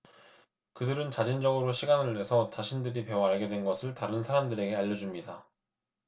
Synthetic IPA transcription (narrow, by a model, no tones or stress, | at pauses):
kɯdɯɾɯnt͡ɕad͡ʑind͡ʑʌɡɯɾoɕʰiɡanɯɭːwe̞sʰʌt͡ɕaɕʰindɯɾipe̞wʌaɭɡe̞dwe̞nɡʌsʰɯɭtaɾɯnsʰaɾamdɯɾe̞ɡe̞aʎːʌd͡ʑumɲida